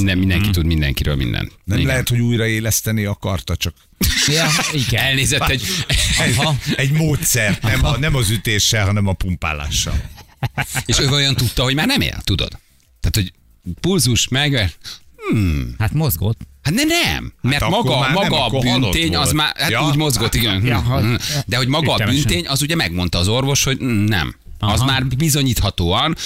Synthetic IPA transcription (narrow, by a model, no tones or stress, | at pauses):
nɛmind̪ɛŋkit̪ud̪mind̪ɛ̰ŋkiɾø̰lmḭnd̪ɛ̰nnɛmlɛɦɛt̪ho̞ɟuːjrɒeːlɛst̪ɛniɒkɒrt̪ɒt͡ʃɒk | jɒiɡɛɛlneːzɛt̪ːɛ | ɛɟmoːt̪sɛrt̪nɛmɒnɛmɒzyt̪eːʃːɛlɦɒnɛmɒpumpa̰ːla̰ːʃːɒ̰l | eːʃøːvɒlojɒnt̪ut̪ːɒɦo̞ɟmaːrnɛmḛːlt̪ud̪o̰d̪̥ | aːt̪ho̞ɟ | pulzuʃmɛɡɛ | hat̪mozɡot̪ːhat̪nɛnɛmmɛrmɒɡɒmɒɡɒbyntt̪eːɲɒzmaːatuːɟmo̞zɡo̞t̪ːiɡɛnɦ̩ | d̪ɛɦo̞ɟmɒɡɒːbynt̪eːɲɒzuɟɛmɛɡmo̞nt̪ɒːzo̞rvo̞ʃho̞ɟnɛ̰m | ɒzmaːrbizo̞ɲiːt̪hɒt̪oːɒn